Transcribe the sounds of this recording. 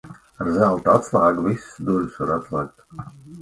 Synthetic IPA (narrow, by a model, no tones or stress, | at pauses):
aɾzalˠt̪at̪slˠaːɡvisd̪ulʲsvaɾat̪slˠɛːk̚t̪